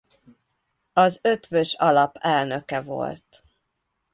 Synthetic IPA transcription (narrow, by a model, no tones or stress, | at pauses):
ɒzøt̪vøʃɒlɒpʰɛlnø̞kɛvo̞̰lt̪